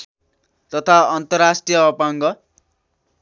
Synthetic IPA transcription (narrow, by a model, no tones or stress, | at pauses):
t̪ʌt̪ʰaʌnt̪ʌrasʈrijʌːpaŋɡʌ